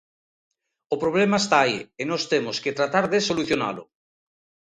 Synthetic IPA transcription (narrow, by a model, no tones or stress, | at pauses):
opɾoβ̞lemaest̪aːienost̪emosket̪ɾat̪aɾðesoluθjona̰lo̰